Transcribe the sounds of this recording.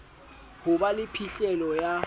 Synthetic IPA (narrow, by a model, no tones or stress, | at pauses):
hʊɓalɪpʰiɬɛlɔja